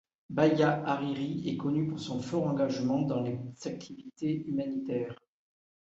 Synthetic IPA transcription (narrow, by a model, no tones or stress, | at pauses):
bajaaʁiʁiɛkɔnypuʁsɔ̃fɔʁɑ̃ɡaʒmɑ̃d̪ɑ̃lez̥ak̚t̪ʰivit̪eymanit̪ɛːʁ